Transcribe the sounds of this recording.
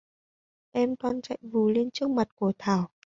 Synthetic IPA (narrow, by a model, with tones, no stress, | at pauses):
ʔɛ˧mkɔ˧nt͡ɕa̰˧˨jvu˨˩le˧nt͡ɕɨ˦˥ək̚ma˨˩t̚ku˧˩ət̪ʰaː˧˩w